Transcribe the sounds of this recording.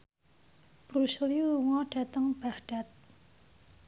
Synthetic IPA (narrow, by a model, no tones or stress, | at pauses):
proɕʰoχjiŋaʈ͡ʂat̪aŋpahʈ͡ʂat̪̚